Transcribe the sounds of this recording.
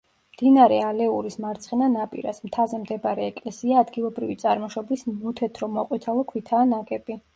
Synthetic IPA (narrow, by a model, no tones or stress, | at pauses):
md̪̥inaɾɛalɛuɾismaɾt̪sʰχɛnanapʼḭɾa̰smt̪ʰazɛmd̪ɛbaɾɛːkʼlɛsiaːd̪ɡilˠɔbɾivit̪sʼaɾmɔʃɔblismut̪ʰɛt̪ʰɾɔmɔqʼwit̪ʰalˠɔkʰwit̪ʰaːnakʼɛbi